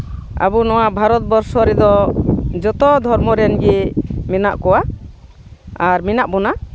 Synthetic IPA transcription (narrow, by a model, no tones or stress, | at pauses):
a̰bunɔwabʱaɾɔt̪̚bɔɾsɔɾɛd̪ɔd͡ʒɔt̪ɔd̪ʱɔɾmɔɾɛnɡimɛnaʔkɔwa | aɾmɛnaʔbɔna